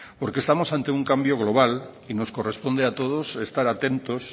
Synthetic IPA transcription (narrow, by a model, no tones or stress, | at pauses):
poɾkest̪amosãnt̪euŋkambjoɣ̞loβ̞al | inoskorespond̪eat̪oð̞osest̪aɾat̪ẽnt̪os